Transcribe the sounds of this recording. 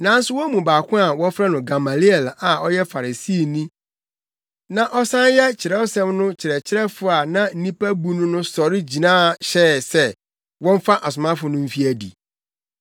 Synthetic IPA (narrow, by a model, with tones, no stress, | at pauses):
nã˨˦n̩˦sʊ˦wɔ˦mũ˨baː˨kʷʰʊ̃˦a˨wɔ˦fɾɛ˦nʊ̃˨ɡa˨ma˨li˦ɛ˨la˨ɔ˦jɛ˦fa˨ɾa˨si˦˨nĩ˦ | nã˨ʔɔ˦sã˦njɛ˦t͡ɕʰɪ˨ɾɛ˦wo˦sɛ̃˦mnʊ̃˦t͡ɕʰɪ˨ɾɛ˨t͡ɕʰɪ˦ɾɛ˦fʊ˨a˨nã˦n̩˦nĩ˦pæ˦bu˦nʊ̃˦nʊ̃˦sɔ˨ɾɪ˦d͡ʑi˨nãː˦˨ɕɛː˦˨sɛ˦ | wɔ̃˦m˦fa˦ʔa˨s̬ʊ˨mã˦fʊ˨nʊ̃˦m̩˦fi˦æ˨dḭ˨